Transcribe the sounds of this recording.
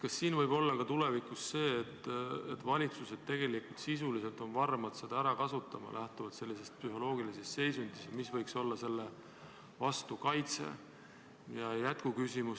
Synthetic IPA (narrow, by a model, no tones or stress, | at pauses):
kɑsːiːnvɤjbo̞lːɑkɑt̪ule̞vikːˑusse̞ːt̪ːet̪vɑlʲit̪suse̞d̪̥̚t̪e̞ɡ̥e̞likult̪sisulise̞lt̪ˑo̞nvɑrmɑd̪̥se̞d̪̥ɑæɾɑkɑsut̪ːˑɑmɑ̰lʔæht̪uvɑd̪̥se̞lːise̞st̪̚psyɦo̞lo̞ːɡilisest̪se̞jsund̪̥isɑmisvɤjkso̞lːɑse̞lːe̞ | vɑst̪ukɑjt̪se̞̰ | jɑjæt̪kukysimu